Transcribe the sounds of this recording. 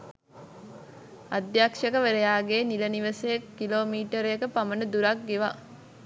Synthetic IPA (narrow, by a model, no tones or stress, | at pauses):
ɐd̪jaːkʂɐkəʋeɾejaːɡeːnilɐniʋəsejekːiloːmiːʈəɾjekəpamənəd̪uɾɐk̚ɡeʋa